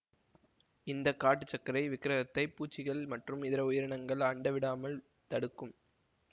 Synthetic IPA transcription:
ɪnd̪ɐkːaːʈːɯt͡ʃːɐkːɐɾɐɪʋɪkːɪɾɐɣɐt̪ːɐɪpːuːt͡ʃːɪɣɐɭmɐʈrɯmɪðɪɾɐʊjɪɾɐɳɐŋɡɐɭɐɳɖɐʋɪɽaːmɐɭ | t̪ɐɽɯkːɯm

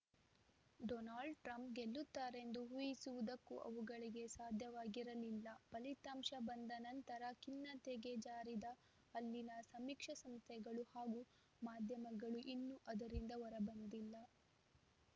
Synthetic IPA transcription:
ɖɔnaːɭɖʈɾɐmp̚ɡelːut̪ːaːɾe̞nd̪uɦujisuʋud̪ɐkːṵʔɐ̰ʋuɡɐɭiɡe̞saːd̪ʱjɐʋaːɡiɾɐlilːɐpɐlit̪aːmʃɐbɐnd̪ɐnɐnt̪ɐɾɐkinːɐt̪eːɡe̞d͡ʒaːɾid̪ɐː | lːinɐsɐmikʂɐsɐmst̪ʰɛɡɐɭuhaːɡu | maːd̪ʱjɐmɐɡɐɭuʔinːuʔɐd̪ɐɾind̪ɐʋɔɾɐbɐnd̪ilːɐ

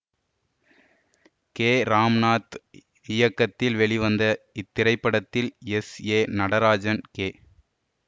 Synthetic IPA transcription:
keːɾaːmnaːt̪ | ɪjɐkːɐt̪ːɪlʋɛɭiʋɐnd̪ɐɪt̪ːɪɾɐɪpːɐɽɐt̪ːɪlɛseːnɐɽɐɾaːd͡ʒɐnkeː

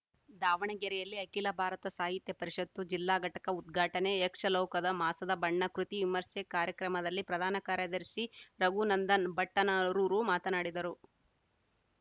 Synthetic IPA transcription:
d̪aːʋɐɳɐɡɛɾɛjɐlːiɐkilɐbʱaːɾɐt̪ɐsaːɦit̪jɐpɐɾiʂɐt̪ːud͡ʒilːaːɡʱɐʈɐkɐud̪ɡʱaːʈɐneekʂɐlɔːkɐd̪ɐmaːsɐd̪ɐbɐɳːɐkɾut̪iʋimɐɾsekaːɾjɐkɾɐmɐd̪ɐlːipɾɐd̪ʱaːnɐkaːɾjɐd̪ɐɾʃiɾɐɡunɐnd̪ɐnbɐʈːɐnɐɾuːɾumaːt̪ɐnaːɽid̪ɐɾu

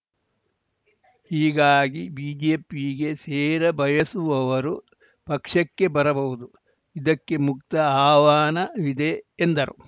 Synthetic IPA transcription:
hiːɡaːɡibiːd͡ʒeːpiɡe̞seːɾɐbʱɐjɐsuʋɐʋɐɾu | pɐkʂɐkːe̞bɐɾɐbɐʋud̪u | id̪ɐkːe̞mukt̪ɐaːʋaːnɐʋid̪eːnd̪ɐɾṵ

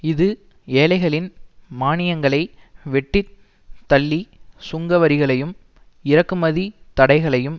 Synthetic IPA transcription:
ɪðɯ | eːlɐɪɣɐɭɪnmaːnɪjɐŋɡɐɭɐɪ | ʋɛʈːɪ | t̪ːɐɭːisʊŋɡɐʋɐɾɪɣɐɭɐjɯm | ɪɾɐkːɯmɐðit̪ɐɽɐɪɣɐɭɐjɯm

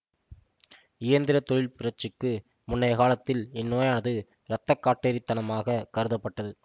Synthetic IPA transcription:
ɪjɐnd̪ɪɾɐt̪ɔɻɪlpɪɾɐt͡ʃɯkːɯ | mʊnːɐjɐɣaːlɐt̪ːɪlɪnːoːjaːnɐðɯ | ɾɐt̪ːɐkːaːʈːeːɾit̪ːɐnɐmaːɣɐkɐɾɯðɐpːɐʈːɐðɯ

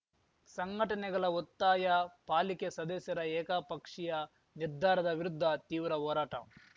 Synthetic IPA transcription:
sɐŋɡʱɐʈɐnɛɡɐɭɐɔt̪ːaːjɐpaːlikesɐd̪ɐsjɐɾɐɛːkapɐkʂijɐ | niɾd̪ʱaːɾɐd̪ɐʋiɾud̪ʱːɐt̪iːʋɾɐɦɔːɾaːʈɐ̰

